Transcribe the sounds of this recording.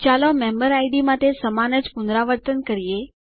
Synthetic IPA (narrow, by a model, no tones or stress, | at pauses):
t͡ʃalomẽmbəɾajɖimãt̪esəmanəd͡ʒpʊnd̪ɾaʋəɾt̪ənkəɾije